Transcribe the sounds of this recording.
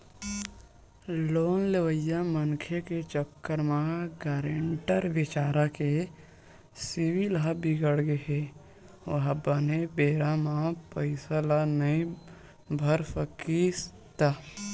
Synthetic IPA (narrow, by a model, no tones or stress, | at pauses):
loːnleʋəjamənkʰeket͡ʃəkːəɾmãɡaːɾeɳʈəɾʋɪt͡ʃaːɾake | siʋilɦabɪɡəɽɡeɦe | ʋəɦbənebeːɾamãpəɪsalanəĩ | bʱəɾsəkis | t̪a